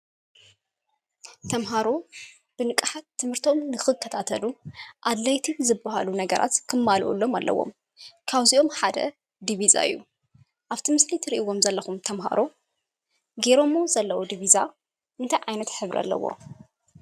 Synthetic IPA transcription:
t̪ʰɐmɦaɾo | b̥ɨnɨkʼħat̪ʰːɨmhɨɾt̪ʰo̞mnɨxɨkʰːɐt̪ʰat̪ʰɐluʔad̪lajt̪ʰizɨbːaha̰lunɐɡɐɾʔa̰t̪kʰɨmːalʔṵlːo̞malːɐ̰wːo̞̰m | kʰaβziʔo̞mħad̪ɐ̰ | d̪iβiza̰ɨ̰jːu | ʔaβt̪ʰimɨslit̪ʰɨɾiʔiwo̞mzɐlːɐxumt̪ʰɐmɦa̰ɾo̞ | ɡeɾo̞mːozɐlːɐwod̪iβiza | ɨnt̪ʰajʕajnɐt̪ħɨβɾʔa̰lːɐ̰wːo̰

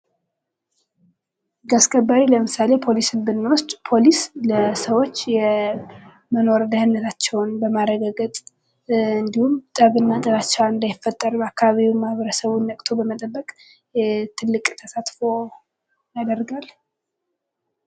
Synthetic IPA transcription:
ɡaskʼəbːaɾiləmɨsale̞pʰo̞lisɨbɨnːawʊst͡ʃʼpʰo̞lisləsəwo̞t͡ʃːjɛ | məno̞ɾd̪ahənːət̪ʰat͡ʃːɛwnbəmaɾəɡaɡət̪ʼ | ɨnd̪ihumt̪ʼəβɨnːat̪ʼəβat͡ʃːɛwɨnd̪ajɪfːət̪ʼːəɾbakʰːaβaβiwmahβəɾəsəβunːəkʼt̪ʰobəmət̪ʼəbːəkʼ | t̪ʰɨlːɨkʼt̪ʰəsat̪fo̞ | jad̪ərɡal

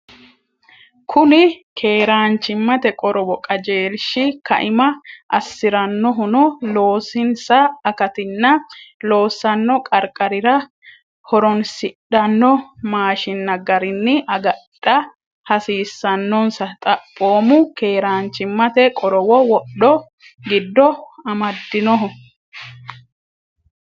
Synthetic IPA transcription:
kʰʊnɪkʰe̞ːɾaːnt͡ʃːɪmːɐt̪ɛkʼɔɾʔɔwɔkʼɐd͡ʒe̞ːlʃɪkɐ̰ʔɪmɐʔɐ̰sːɪɾɐnːɔɦʊnɔlo̞ːsɪnsɐɐkɐt̪ɪnːɐlo̞ːsːɐnːɔkʼɐɾkʼɐɾɪɾɐ | hɔɾɔnsɪɗɐnːɔmaːʃɪnːɐɡɐɾɪnːɪʔɐɡɐɗːɐ | hɐsiːsːɐnːɔnsɐt̪ʼɐpʼːo̞ːmʊkeːɾaːnt͡ʃːɪmːɐt̪ɛkʼɔɾɔwɔwɔɗɔ | ɡɪd̪ːɔɐmɐd̪ːɪnɔɦʊ

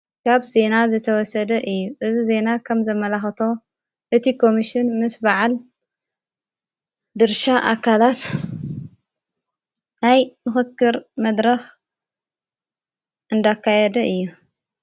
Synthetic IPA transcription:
kʰaβze̞nazɨt̪ʰɐwɔsɐd̪ɐʔɨjːuʔɨzize̞nakʰɐmzɐmːɐlaxɐt̪ʰo̞ | ʔɨt̪ʰikʰo̞miʃɪnmɨsbaʕal | d̪ɨɾʃaʔakʰalat̪ | najmɨxɨkːɨɾmɐd̪ɾɐx | ʔɨnd̪akːajɛd̪ɐʔɨjːu

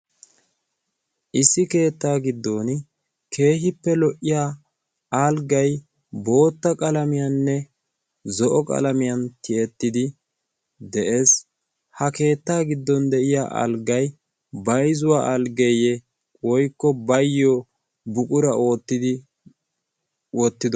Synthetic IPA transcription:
ʔɪsːɪke̞ːt̪ːaːɡɪd̪ːo̞ːn | kʰe̞ːɦɪpːɛlɔʔːɪjaː | alɡɐj | bo̞ːt̪ːɐkʼɐlɐmɪjɐnːɛ | zɔʔɔkʼɐ̰lɐmɪjɐnt̪ɪɛt̪ːɪd̪ɪ | d̪ɛʔe̞ːs | hɐke̞ːt̪ːaːɡɪd̪ːɔnd̪ɛʔɪja̰ːʔɐ̰lɡɐj | bɐjzʊwaːʔɐlɡejɛ | wɔjkːɔbɐjːɔ | bʊkʼʊɾɐo̞ːt̪ːɪd̪ɪ | wɔt̪ːɪd̪ɔ

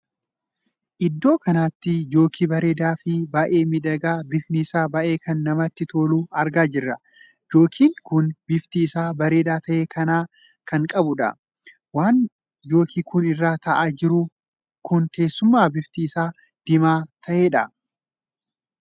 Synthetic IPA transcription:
ʔɪd̪ːo̞ːkɐnaːt̪ːɪd͡ʒo̞ːkʰiːbɐɾe̞ːd̪aːfɪbaːʔe̞ːmɪd̪ɐɡaːbɪfnɪːsaːbɐʔe̞ːkʰɐnːɐmɐt̪ːɪt̪ʰo̞ːluːɐɾɡaːd͡ʒɪrːɐ | d͡ʒo̞ːkʰiːŋkʊnbɪft̪iːsaːbɐɾeːd̪aːt̪ʰɐʔe̞ːkʰɐnaː | kɐŋkʼɐbʊᶑɐ̰ | waːn | d͡ʒo̞ːkiːkʊnɪrːaːt̪ɐʔaːd͡ʒɪɾʊ | kʊnt̪e̞ːsːʊmːaːbɪft̪iːsaː | d̪̥ɪmaːt̪ʰɐʔe̞ːᶑɐ

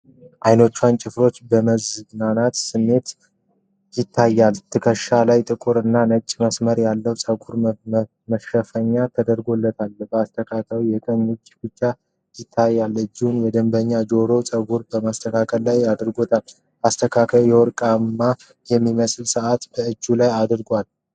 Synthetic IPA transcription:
ʔajno̞t͡ʃːwant͡ʃʼɪfɾo̞t͡ʃːbəməzɨɡnanat̪sɨmːe̞t̪ | jɪt̪ʰːajːalt̪ʰɨkʰəʃalajt̪ʼɨkʼuɾɨnːanət͡ʃʼːməsməɾjalːəwsʼəɡuɾ | məʃəfəɲːat̪ʰəd̪əɾɡo̞lːət̪ʰalbəast̪ʰəkʰakʰəwjɛkʼənut͡ʃʼːbɨt͡ʃːa | jɪt̪ʰːajːalɨd͡ʒːihunjɛd̪əmbəɲːad͡ʒo̞ɾo̞sʼəɡuɾbəmast̪ʰəkʰakʰəlːajad̪ɨɾɡo̞t̪ʰal | ast̪ʰəkʰakʰəwjɛwɔɾkʼamːa | jɛmːiməsʼlsəʔat̪b̥əɨd͡ʒːulajad̪ɨɾɡʷal

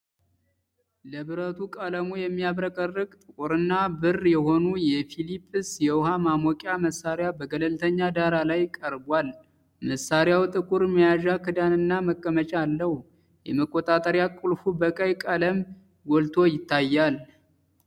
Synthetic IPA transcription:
ləβɨɾət̪ʰukʼaləmujɛmːiaβɾəkʼərːɨkʼt̪ʼɨkʼuɾɨnːabɨrjɛho̞nujɛfilipʼːɨsjɛwhamamɔkʼjaməsːaɾjabəɡələlt̪ʰəɲːad̪aɾalajkʼəɾbwal | məsaɾjawt̪ʼɨkʼuɾmijaʒakʰɨd̪anɨnːaməkʼːəmət͡ʃʼaːlːəh | jɛməkʼːot̪ʼat̪ʼəɾjakʼulfubəkʼəjkʼaləm | wɔlt̪ʰo̞jɪt̪ːajːal

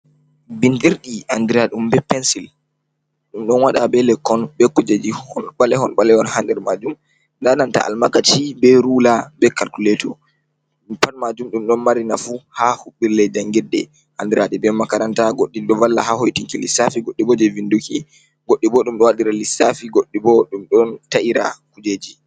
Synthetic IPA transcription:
bindiɾɗiandiɾaɗumbɛpɛnsil | ɗumɗɔnwaɗabɛlɛkːɔnbɛkːud͡ʒad͡ʒihhɔnɓalɛhɔnɓalɛɔnhandɛɾmad͡ʒum | dananta̰ʔa̰lmakat͡ʃibɛɾulabɛkalkulɛtɔ | mpanmad͡ʒumɗumɗɔnmaɾinafuhahuɓːiɾlɛd͡ʒaŋɡɛdːɛ | handɛɾaɗɛbɛmakaɾantaɡoɗːiɗɔvalːa̰hahojtiŋkilisafiɡoɗːibɔd͡ʒɛvinduki | ɡoɗːibɔɗumɗɔwaɗiɾalisafiɡoɗːibɔɗumɗɔntaʔiɾa̰kud͡ʒed͡ʒi

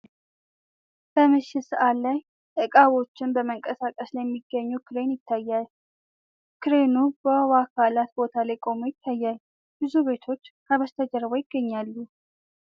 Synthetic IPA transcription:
b̥əmɨʃːɪsəʔat̪laj | ʔɨkʼaβo̞t͡ʃːɪnbəməŋkʼəsakʼəsləmːiɡːəɲːukʰɨɾe̞njɪt̪ʰːajːal | kʰɨɾe̞nubəwakʰalat̪bo̞t̪ʰalajkʼo̞mojɪt̪ʰːajːal | b̥ɨzuβe̞t̪ʰo̞t͡ʃːkʰaβəst̪ʰəd͡ʒəɾβojɪɡ̥ːəɲːalːu

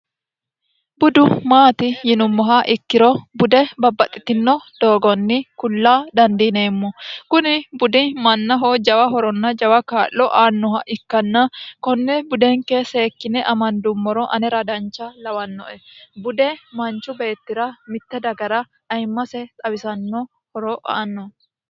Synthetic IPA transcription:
bʊd̪ʊmaːt̪ɪjɪnʊmːɔɦɐʔɪkːɪɾɔbʊd̪ɛbɐbːɐt̪ʼːɪt̪ɪnːɔd̪̥o̞ːɡɔnːɪkʊlːaːd̪ɐnd̪ineːmːɔkʊnɪbʊd̪ɪmɐnːɐɦod͡ʒɐwɐɦɔɾɔnːɐd͡ʒɐwɐkaːlːɔʔaːnːɔɦɐʔɪkːɐnːɐkɔnːɛbʊd̪ɛŋkːɛse̞ːkːɪnɛʔɐmɐnd̪ʊmːɔɾɔʔɐnɛɾɐd̪ɐnt͡ʃːɐlɐwɐnːɔ̰ʔɛbʊd̪ɛmɐnt͡ʃːʊbe̞ːt̪ːɪɾɐmɪt̪ːɛd̪ɐɡɐɾɐ | ʔɐjmːɐsɛt͡sʼɐwɪsɐnːɔ | hɔɾɔʔa̰ːnːɔ

